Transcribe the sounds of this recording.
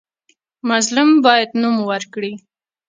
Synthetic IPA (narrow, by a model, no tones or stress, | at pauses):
mʊzlʊmbɑjad̪numwaɾkɽi